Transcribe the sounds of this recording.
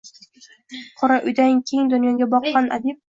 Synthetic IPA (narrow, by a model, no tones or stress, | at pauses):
qʰɒɾaʔʊjd̪aŋkʲʰeŋd̪ʊnjɒɡʲabɒqːɑnʔa̰d̪ip̚